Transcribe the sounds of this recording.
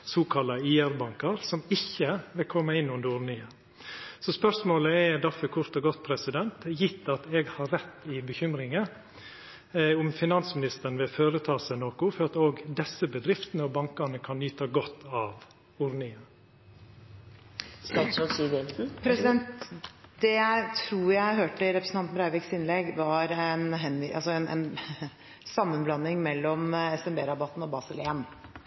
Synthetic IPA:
suːkʰɑlːɑiːæɾbɑŋkɑɾsɔmɪçːəʋɪlkʰɔmːəɪnːʉnd̪əɾʊɾnɪə | sɔspœɾsmoːləɛd̪ɑfəkʰʊɾt̪ɔɡɔt̪̚pʰɾɛsɪd̪ɛnt̪jɪt̪ːɑt̪ɛɡhɑːɛt̪ːɪbəçʏmɾɪŋə | ʊmfɪnɑnsmɪnɪst̪əɾn̩ʋɪlføːɾət̪ʰɑːsæɪnoːkʊfɔɾɑt̪oːɡd̪ɛsəbəd̪ɾɪft̪ənəɔbɑŋkɑɳəkʰɑnːyːt̪ɑɡɔt̪ːɑːʋ | ʊɾnɪŋə | st̪ɑt̪sɔsiːd̪ɛt̪̩pʰɾɛsɪd̪ɛnt̪d̪ɛjæɪt̪ʰɾuːɾjæɪɦøːʈəɪɾɛpɾəsn̩t̪ɑnt̪bɾɑɪʋɪksɪnlɛɡʋɑɾɛnɦɛnːʔɑsɔɛnɛ̰n | sɑmːənblɑnːɪŋmɛlːɔmɛsɛmbeːɾɑbɑt̪ːn̩oːbɑːsəlen

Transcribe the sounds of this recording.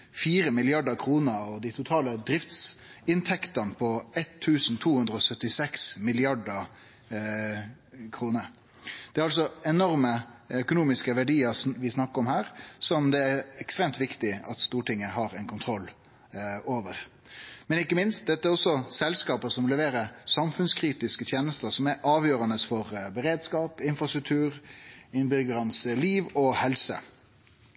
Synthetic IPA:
fiːɾəmɪlɪɑɖəkʰɾuːnəɔd̪ɪt̪ʰʊt̪ʰɑːləd̪ɾɪft̪sɪnt̪ʰɛkt̪ɑnpʰɔɛt̪ʰːʉːsn̩t̪ʰuːhʉnd̪ɾəɔsœt̪ːɪsɛksmɪlɪɑɖə | kʰɾuːnəɾ | d̪̥ɛæɾɑls̬ɔɛnɔʁməœkʊnuːmɪskəʋæɖiːəʋɪsnɑkːəɔmhæːɾsɔmd̪ɛæɾɛkst̪ɾeːmt̪ʋɪkt̪ɪɑt̪st̪uːʈɪŋːəhɑɾɛnkʰʊnt̪ʰɾɔlː | oːʋəɾ | mɛnɪkːəmɪnst̪̚d̪ɛt̪ːəæɾɔsːɔsɛlskɑːpəsɔmlɛʋeːɾəsɑmfʉnskʰɾiːt̪ɪskət̪ʰjeːnəst̪əɾsɔmæɾʔɑːʋjøːɾɑnəsfɔʁbəɾeːd̪skɑːpɪnfɾɑst̪ɾʉk̚t̪ʰʉːɾɪnbʏɡəɾɑnsliːʋɔhɛlsə̰

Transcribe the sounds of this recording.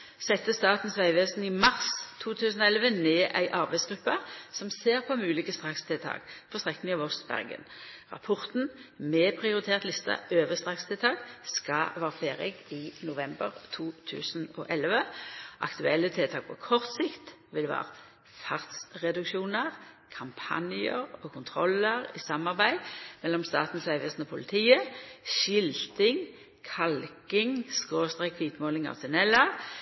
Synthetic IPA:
sɛt̪ːəst̪ɑːt̪n̩sʋæɪʋeːsn̩ɪmɑʁst̪ʰuːt̪ʰʉːsn̩ɔɛlʋəneːʔæ̰ɪʔɑʁbæɪsɡ̥ʁʉpːəsɔmseːʁpʰɔmʉːlɪːkəst̪ʁɑkst̪ʰet̪ʰɑ̰ːɡ̥pʰɔst̪ʁɛkːnɪŋɑʋɔsbæ̰ʁɡə̰nʁɑ̰pʰɔʁt̪n̩mɛːpʰʁɪʊʁɪt̪ʰeːʁt̪lɪst̪ɑ̰øːʋəst̪ʁɑkst̪ʰɪt̪ʰɑːɡskɑʋɑːʁfeːʁɪ̰ɡinʊʋɛmbəʁt̪ʰuːt̪ʰʉ̰ːsənɔ̰ʔɛlʋəʔɑ̰kt̪ʉɛlːət̪ʰɪt̪ʰɑːɡ̚pʰɔkʰɔʁt̪sɪkt̪ | ʋɪlʋæ̰ːʁə | fɑʁt̪sʁɛd̪ʉkʃuːnəʁ | kʰɑmpʰɑ̰njəʁokʰʊnt̪ʰʁɔləʁɪsɑmːɑʁbæɪd̪mɛlːɔmst̪ɑ̰ːt̪n̩slæɪʋəsnɔpʰʊlɪt̪ʰiːəʃɪlt̪ɪŋ | kʰɑlkɪŋskoːst̪ʁɛːkʰʋiːt̪moːlɪŋɑ̰ʋsɪnɛlːə

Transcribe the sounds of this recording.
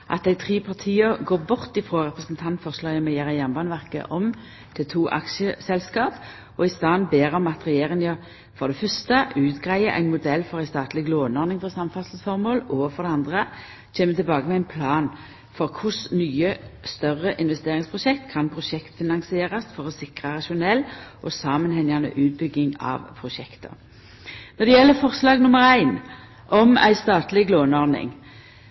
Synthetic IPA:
ʔɑ̰t̪̚d̪æɪt̪ʰʁiːpʰɑʁt̪ʰiːəɡoːʁbʊʁt̪ɪfɾoːʁɛpʁəsnt̪ʰɑnt̪fɔʁslɑːjəmɛjeːʁəjænbɑːnʋæʁkə̰ʔɔm | t̪ʰɪlt̪ʰuːʔɑ̰kʃəsɛlskɑːp | ɔɪst̪ɑːnbeːʁɔmɑt̪ʁɛjeːʁɪŋə | fɔʁd̪ɛfʏʁst̪əʉːt̪ɡʁæɪəʔæ̰ɪnmʊd̪ɛlːfɔʁæɪst̪ɑːt̪lɪɡloːnɔɾnɪŋfɔsɑmfɑsl̩sfɔʁmoːlɔfɔʁɾd̪ɛɑnd̪ʁə | t͡ʃʰeːmət̪ʰɪlbɑːɡəmɛæɪnpʰlɑːn | fɔʁkʰʊsnyːəst̪œʁəʔɪnʋɛst̪eːʁɪŋspʰʁʊʃɛkt̪kʰɑnpʰʁʊʃɛkt̪fɪnɑnsɪeːʁɑsfɔʁɔsɪkʁəʁɑʃʊnɛlːʔɔsɑːmənɦɛŋɑnə̰ʔʉːt̪̚bʏɡːɪŋɑ̰ʋpʰʁʊʃɛkt̪ə̰ | nɔʁd̪ɛjɛlːəfɔʁslɑːɡnʊməʁæɪn | ʔɔmæ̰ɪst̪ɑːt̪lɪɡloːnəɔɾnɪ̰ŋ

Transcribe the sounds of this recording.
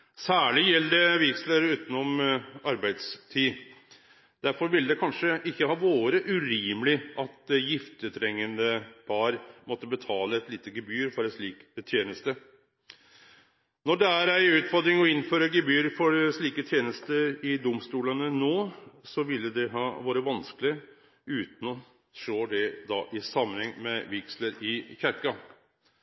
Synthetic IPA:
sæːɭɪjɛlːd̪əʋɪksləɾʉːt̪ənɔmɑɾbæɪd̪st̪ʰiː | d̪æɾfɔɾʋɪld̪ɛkʰɑnʂəʔɪkːəhɑːʋoːɾəʔʉɾiːməlɪʔɑt̪̚jɪft̪ət̪ʰɾɛŋːənd̪əpʰɑɾmɔt̪ːəbət̪ʰɑːləɛt̪liːt̪əɡɛbyːɾfɔɾɛʂɭiːkt̪ʰjeːnəst̪ə | nɔɖɛæɾæɪʉːt̪fɔɾd̪ɾɪŋɔɪnːføːɾəɡɛbyːɾfɔɾʂɭiːkət̪ʰjeːnəst̪əɾɪd̪ʊmst̪uːlənənoːsɔʋɪlːəd̪ɛɦɑːʋɑːɾəʋɑnskəlɪə | ʉːt̪n̩ɔ | ʂoːd̪ɛd̪ɑːʔɪsɑmːənhɛŋmɛʋɪksləɾɪçæɾkɑ

